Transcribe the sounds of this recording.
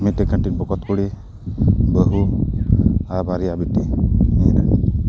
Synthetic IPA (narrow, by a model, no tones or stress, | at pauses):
mit̪ɛkʰaʈiɾbɔkɔt̪kuɽi | bəɦu | abaɾiabitimina̰n